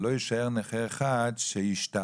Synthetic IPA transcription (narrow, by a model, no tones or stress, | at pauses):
lojiʃaeʁneχeʁeχadʃeiʃta